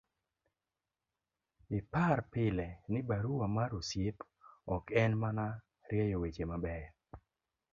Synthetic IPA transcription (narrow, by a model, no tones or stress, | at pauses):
ɪparpɪlɛnɪbaɾuwamaɾusjɪp | ɔkɛnmana | ɾjɛjowet͡ʃemabɛj